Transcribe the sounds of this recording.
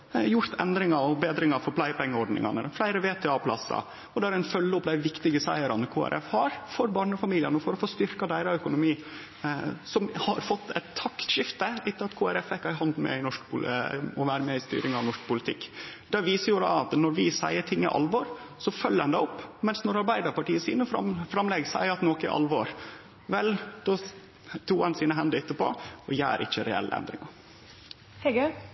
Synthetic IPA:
jʊɾt̪ʰɛ̰nd̪ɾɪŋɑɾɔbeːd̪ɾɪŋɑfɔɾpʰlæɪpɛŋːəɔɾɖnɪ̰ŋɑ̰nə̰flæɪɾəʋeːt̪ʰɛːɑːpʰlɑ̰sːɑ̰ | ɔd̪ɛæɾæɪnfœlːəʊpːd̪æɪʋɪkt̪ɪɡəsæɪəɾɑnəkʰoːæ̰ɾʔɛfhɑːɾfɔɾbɑːɳəɔfɑmiːlɪənɔfɔɾɔfoːst̪ʏɾkɑd̪æɪɾɑœkʊnʊmiː | sɔmhɑɾfɔt̪ːɛɪt̪ʰːɑkt̪ʃɪft̪əɪt̪ʰːəlɑt̪kʰoːæɾɛfɛkːɑɪɦɑnd̪mɛ̰ɪnɔʂkpʰʊɔʋæːɾəmeːɪst̪y̰ːɾɪŋɑʋnɔʂk̚pʰʊlɪt̪ʰɪkːd̪̥ɛʋiːsəɾjuːɾɑɑt̪nɔɾʋɪsæɪəʈʰɪŋːɪ̰ʔɑ̰lʋɔːɾsɔfœlːəɾɛnd̪ɛːɔpːmɛnsnɔɾɑɾbæɪd̪əɾpɑʈiːəsiːnəfɑfɾɑmlɛɡsæ̰ɪəɑt̪noːkɪ̰ʔɑ̰lʋɔɾ | ʋɛld̪̥ɔ | t̪ʰuːɛnsiːnəɦɛnd̪əɪt̪ːəpɔ̰ɔjæ̰ːɾʔɪ̰çːəɾɛ̰ɛ̰lːʔə̰ɛ̰nd̪ɾɪ̰ŋɑ | hɛɡ

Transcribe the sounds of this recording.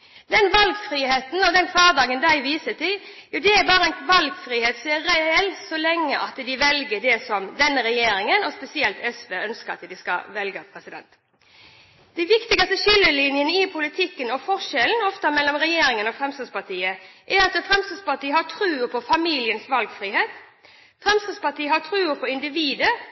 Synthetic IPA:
d̪ɛnʋɑlɡfɾiːheːt̪n̩ɔd̪ɛnkʰʋɑːd̪ɑːɡənd̪æɪʋiːsət̪ɪl | jud̪ɛːɾbɑːɾəɛɪnʋɑlɡfɾiːheːt̪seːɾɛɛlsɔlɛŋːəʔɑt̪d̪ɪʋɛlɡəd̪ɛsɔmd̪ɛnːəɾɛjeːɾɪŋənɔspɛsɪɛlt̪ɛsʋeːœnskəɾɑ̰t̪d̪ɪskɑ̰ʋɛlɡəpʰɾɛsɪd̪ɛ̰nt̪ | d̪̥ɛɪʋɪkt̪ɪɡɑst̪əʃʏlːəlɪnjənəɪpʰʊlɪt̪ʰɪkːənɔfɔʂɛln̩ɔft̪ɑmɛlːɔmɾɛjeːɾɪŋənɔfɾɛmst̪əspɑt̪ʰiːəʔæɾɑt̪əfɾɛmst̪əspɑʈiːəhɑʈʰɾʉːpʰɔfɑmiːlɪənsʋɑlɡfɾiːheːt̪ | fɾɛmst̪əspɑʈiːəɦɑt̪ʰɾʉːəpʰɔɪnd̪ɪʋiːd̪ə

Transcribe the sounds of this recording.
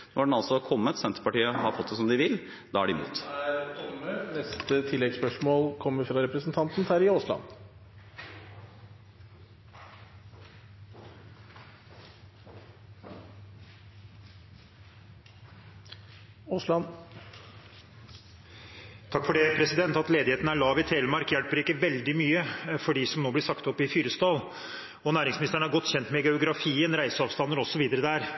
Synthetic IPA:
nɔɖɛnɑlsɔkʰɔmːət̪sɛnt̪ɾəpɑʈiːəɦɑɾfɔt̪̚ːd̪ɛsɔmd̪ɪʋɪl | d̪̥ɑæɖɪmṵːt̪æɾt̪ʰɔmənɛst̪ət̪ʰɪlːɛɡspœʂmoːlkʰɔmːəɾfɾɑɾɛpɾəsənt̪ʰɑnt̪n̩t̪ʰæːɾɪoːslɑ̰n | t̪ʰɑkːfɔɖeːpʰɾɛsɪd̪ɛnt̪ɑt̪leːd̪ɪheːt̪nəæɭɑːʋɪt̪ʰɾeːləmɑɾkjælpəɾiːkːəʋɛld̪ɪmyːəfɔɖiːsɔmnoːblɪʂɑkt̪ɔpːɪfyːɾəst̪ɑːl | ɔnæːɾɪŋsmnɪst̪əɳəæɾɡɔt̪ːçɛnt̪mɛɡɛʊɡɾɑfiːənɾæɪsəɑːʋst̪ɑnːəɾɔsːɔʋiːd̪əɾəd̪æːɾ

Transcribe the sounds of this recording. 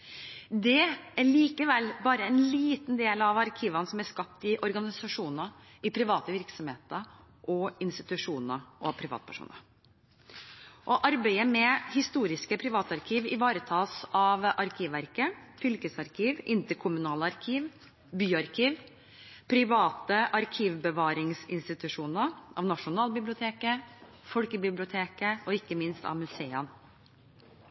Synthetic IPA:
d̪ɛæɾɭiːkəʋɛlbɑːɾəɛnliːt̪nd̪eːlɑʋɑɾkʰiːʋɑnsɔmæɾskɑp̚t̪ɪʔɔɾɡɑnɪsɑʂuːnə | ɪpʰɾɪʋɑːt̪əʋɪɾksɔmheːt̪ə | ʔɔɪnst̪ɪt̪ʉʂuːnəʔɔpʰɾɪʋɑ̰ːt̪̚pʰæʂṵːnə̰ɾ | ʔɔʔɑɾbæɪəmɛhɪst̪uːɾɪskəpʰɾɪʋɑːt̪ɑɾkʰiːʋɪʋɑːɾət̪ʰɑːsɑʋʔɑɾkʰiːʋʋæɾkəfʏlkəsɑɾkʰiːʋʔɪnt̪əɾkʰʊmʉnɑːləɑɾkʰiːʋ | byːɑɾkʰiːʋ | pʰɾɪʋɑːt̪əʔɑɾkʰiːʋbəʋɑːɾɪŋsɪnst̪ɪt̪ʉʂuːnəʔɑ̰ʋnɑʂʊnɑːlbɪblʊt̪ʰeːkə | fɔlkəbɪblɪʊt̪ʰeːkəɔɪkːəmɪnst̪ɑ̰ʋmʉseːən

